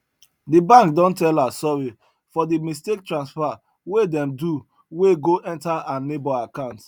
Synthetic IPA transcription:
dibãŋkdɔ̃ntɛlasɔɹi | fɔdimistek̚tɹãnsfa | wedɛ̃mdu | weɡoʔɛ̃ntaãnebɔakãʊ̃nt

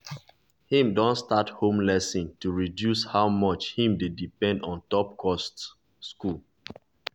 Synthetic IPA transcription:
hĩmdõntstathõmlɛsĩntuɹidjushaʊmɔt͡ʃhĩmdedipɛ̃ndɔ̃ntɔp̚kʰɔst | skul

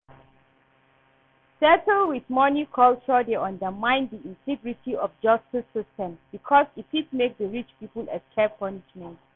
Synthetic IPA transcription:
sɛtəlwiθmɔnikʰɔlt͡ʃɔdeãndəmãj̃ndiĩntʰɛɡɹitʰiɔfd͡ʒastisːistɛ̃mbikʰɔsitit̚mek̚dəɹit͡ʃpipəlɛtkʰɛpʰɔniʃmɛ̃nt

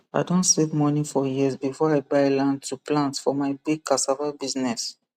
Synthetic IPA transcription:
a̰ɪdõntsevmɔnifɔjizbifɔaɪbaɪlãndtʰuplãntfɔmaɪbiɡ̚kʰasavabiznɛs

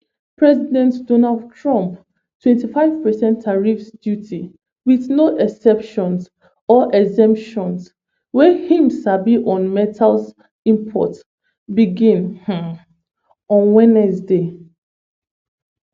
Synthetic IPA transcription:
pɹɛzidɛ̃ntdonaldtʰɹɔ̃mp | tʰwɛ̃ntifaɪv̥pɛsɛ̃ntʰːaɹifsdjutʰi | wiθnoʔɛsɛpʃɔ̃ns | ɔʔɛzɛ̃mpʃɔ̃ns | wɛhĩmsabiʔɔ̃nmɛtʰals | ĩmpʰɔ̰t | biɡĩnh̩ | ɔ̃nwɛ̃nɛsde

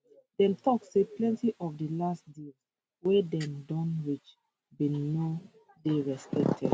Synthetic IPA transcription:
dɛ̃mtɔkseplɛ̃ntiʔɔfdəlastdez | wɛdɛ̃mdɔ̃nɹit͡ʃ | bĩnnɔ | deɹɛspɛk̚tʰɛ̰d

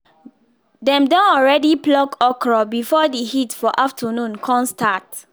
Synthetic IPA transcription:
dɛ̃mdɔ̃nɔɹɛdiplɔkɔkɹɔbifɔdihitfɔʔaftʰənũnkʰɔ̃nstat

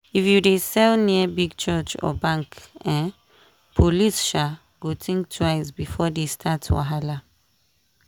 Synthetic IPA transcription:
ifjudesɛlniəbiɡ̚t͡ʃɜt͡ʃɔ̰bãŋkɛ̃n | pʰolisʃa | ɡotʰĩŋk̚tʰwaɪsbifɔdestʰatwa̰ɦala

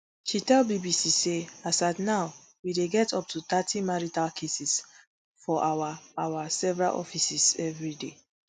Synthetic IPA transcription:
ʃitɛlbibisiseasaɪdnaʊ | wideɡɛtɔp̚tut̪atʰimaɹitalkʰesis | fɔʔawaawasɛvɹa̰lʔɔ̰fisisɛvɹide

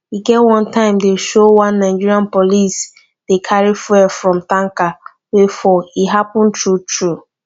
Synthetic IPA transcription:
hiɡɛtwɔ̃ntãɪ̃mdeʃowãnːaɪd͡ʒiɾiãnpolis | d̥ekʰaɹifɛfɹɔ̃mtãŋka | wefɔiɦapɔ̃ntɹutʰɹu

